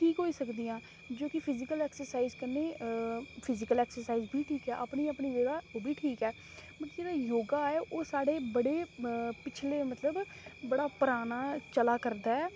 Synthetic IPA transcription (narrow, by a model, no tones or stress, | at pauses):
ʈʰiːkɦoːiːsəkd̪iːãː | d͡ʒoːkɪpʰɪzɪkəlɛːksəɾsaːiːzkənːeː | pʰɪzɪkəlɛːksəɾsaːiːzbiːʈʰiːkɛːʔaːpniːəpniːʋeːɽaːoːbʱiːʈʰiːkɛː | bəɾd͡ʒeːɽaːjoːɡãːɛːʔoːsaːɽeːbəɽeːpɪt͡ʃʰleːmət̪ləb | bəɽaːpəɾaːnaːt͡ʃəlaːkəɾd̪aːɛː